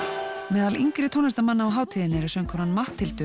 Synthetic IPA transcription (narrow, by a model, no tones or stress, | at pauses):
mɛːðaliŋkɾɪt̪ʰownɛst̪amanːaawɦaːwt̪ʰiːðɪnːɪɾɪ̥sœːŋkʰɔwnanmaht̪ʰːɪlt̪ʏ